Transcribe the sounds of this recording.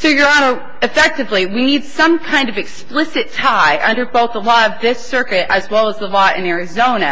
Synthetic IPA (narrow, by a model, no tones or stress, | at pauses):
soʊjə˞ɑɾəʊ | ɨfɛk̚tɨvliwinid̥sʌ̃mkʰãɪ̃ndʌvɨksplɪsɨtʰaɪʔʌ̰̃ndə˞boʊθðəlɔɾʌvðɪsɜ˞kɨɾɨzwɛlˠəzðəlɔɾɨ̰̃nɛɹɨzõʊ̃nɨ̰